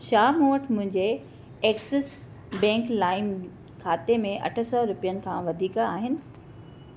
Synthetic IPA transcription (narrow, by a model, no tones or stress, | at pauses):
ʃaːmũːʋəʈʰmʊ̃ɦɪ̃ɲd͡ʑe | eːksɪs | bɛ̃ːŋklaːɪm | kʰaːt̪emẽʔɐ̰ʈʰə̆sɔɾʊpijənɪ̆kʰãːʋɐd̪ʱiːkaːɦɪnɪ̆